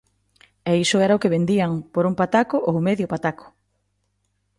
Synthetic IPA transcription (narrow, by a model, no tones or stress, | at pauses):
ɛisʊɛɾaʊkeβend̪iaŋpoɾumpat̪akʊʔowmeðjʊpat̪akʊ̥